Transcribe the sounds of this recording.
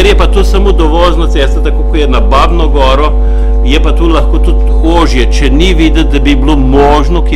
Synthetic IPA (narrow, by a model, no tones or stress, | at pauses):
ɛɾjɛpat̪oːsamoːd̪ɔʋɔːznat̪sɛːst̪ɐt̪akoːkɔjɛnabaːbnɔɡɔːɾɔ | jɛpat̪olaxkoːt̪ut̪koːʒjɛt͡ʃɛniʋiːd̪ət̪̚d̪abibloːmɔːʒnɔk